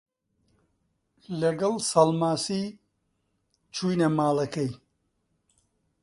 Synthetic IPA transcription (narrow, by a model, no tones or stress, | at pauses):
lɐɡɐlˠsɐlmaːsi | t͡ʃʰujnɐmaːlˠɐkɐj